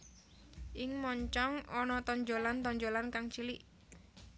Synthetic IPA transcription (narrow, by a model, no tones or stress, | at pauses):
ʔɪŋmɔɲt͡ʃɔŋɔnɔt̪ɔɲd͡ʒolant̪ɔɲd͡ʒolankaŋt͡ʃiliʔ